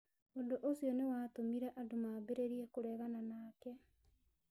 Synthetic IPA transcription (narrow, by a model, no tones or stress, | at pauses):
ondoʔosjɔnewaːtomiɾɛʔadomaːbeɾeɾiɛkoɾɛɣananaːkɛ